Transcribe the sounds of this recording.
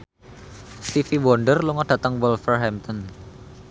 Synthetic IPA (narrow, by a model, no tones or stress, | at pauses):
st̪ifiwɔɳɖərluŋɔɖ̥ä̤t̪əŋwɔlfərɦɛmt̪ɔn